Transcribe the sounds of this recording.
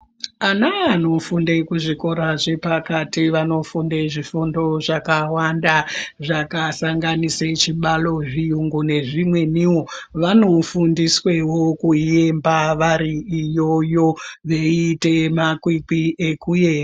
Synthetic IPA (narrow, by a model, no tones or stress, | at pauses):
anaano̞funde̞kuʐiko̞ɾaʐe̞pakatiʋano̞funde̞ʐifundo̞ʐakawandaʐakasaŋɡaniset͡ʃiɓalo̞ʐijuŋɡune̞ʐimwe̞niwoʋano̞fundiswe̞wokue̞mbaʋariijo̞jo̞ʋe̞ite̞makwikiʔekuje̞ːa